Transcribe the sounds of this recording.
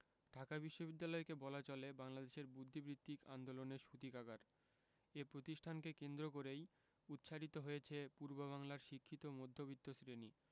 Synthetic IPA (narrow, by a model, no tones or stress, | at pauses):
ɖʱakabiʃːobid̪ːalɔekebɔlat͡ɕolebaŋlad̪eʃeɾbud̪ʱːibɾit̪ːika̰nd̪oloneɾʃut̪ikaɡaɾ | epɾot̪iʃʈʰankekend̪ɾokoɾej | ut̪ːʃʰaɾit̪oɦojet͡ɕʰepuɾboβaŋlaɾʃikʰːit̪omod̪ʱːobit̪ːosɾeni